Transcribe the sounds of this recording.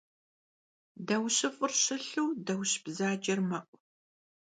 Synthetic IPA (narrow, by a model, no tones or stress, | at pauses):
dɐwɕɨfʼɨrɕɨɬɨwdɐwɕb̥zaːd͡ʒɐrmɐʔʷʼ